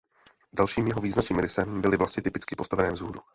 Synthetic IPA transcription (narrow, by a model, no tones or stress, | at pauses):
dalʃiːmjɛɦoviːznat͡ʃiːmɾɪsɛmbɪlɪvlasɲɪt̪ɪpɪt͡skɪpo̞st̪avɛnɛːmzɦuːɾu